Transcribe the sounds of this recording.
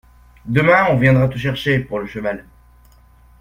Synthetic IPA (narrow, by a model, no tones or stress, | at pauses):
d̪əmɛ̃ɔ̃vjɛ̃d̪ʁat̪uʃɛʁʃepuʁləʃəval